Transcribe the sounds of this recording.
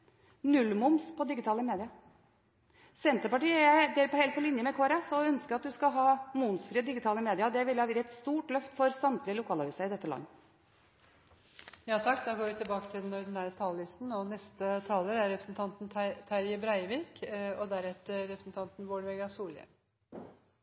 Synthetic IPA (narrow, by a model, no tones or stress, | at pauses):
nʉlːmʊmspʰɔd̪ɪɡɪt̪ʰɑːləmeːd̪ɪɑ | sɛnt̪əɾpɑʈiːəæɪd̪eːɾpɔhɛɪlt̪̚pʰɔlɪnjəmɛkʰoːɾɛfɔœnskəɾɑt̪̚d̪ʉskɑɦɑːmʊnsfɾiːəd̪ɪɡɪt̪ʰɑːləmeːd̪ɪɑd̪ɛʋɪlːhɑʋiɾɛt̪st̪uːʈlœft̪fɔɾsɑmt̪ʰɾɪlʊkʰɑːlɑhʉːsəɪd̪ɛt̪ːəlɑ̰ŋː | jɑːt̪ʰɑkːd̪ɑːɡoːɾʋɪt̪ɪbɑːkət̪ʰɪld̪ɛnɔɾd̪ɪnæːɾət̪ʰɑːləlɪst̪n̩ɔnɛst̪ət̪ʰɑːləɾæɾɾɛpɾəsn̩t̪ʰɑnt̪nʰt̪ʰæɾjəbɾɑɪʋiːkɔd̪æɾɛt̪əɾɛpɾəsn̩t̪ʰɑnt̪nʋoːɖʋɛɡɑsuːlə̰